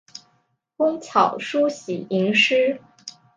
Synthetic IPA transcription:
kʊ˥ŋt͡ɕʰjɑ˨˩ʊʂu˥ɕi˨˩i˧˥ŋʂɻ̩˥

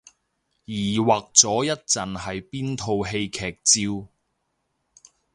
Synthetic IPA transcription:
jiː˨˩waː˨k̚t͡sɔː˨˥jɐ˥t̚t͡sɐ˨nhɐ˨jpiː˥nt̪ʰo˧wɦe˧jkʰɛː˨k̚t͡siː˧w

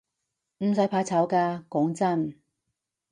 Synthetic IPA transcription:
m̩˨˩sɐ˨˥jpʰaː˧t͡sʰɐ˨˥wkaː˧kɔː˨˥ŋt͡sɐ˥˩n

